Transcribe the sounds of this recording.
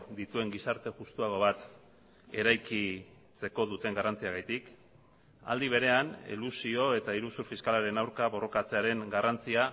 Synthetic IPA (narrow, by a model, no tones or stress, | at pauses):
d̪it̪ue̞ŋɡisaɾt̪e̞ʝust̪uaɣ̞o̞βat̪ | e̞ɾajki | t͡se̞ko̞ðut̪e̞ŋɡarant͡siaɣajt̪ik | a̰ld̪iβ̞e̞ɾe̞anḭlusio̞e̞t̪aiɾusuɾfiskalaɾe̞nawɾkaβo̞ro̞kat͡se̞aɾe̞ŋɡarant͡sia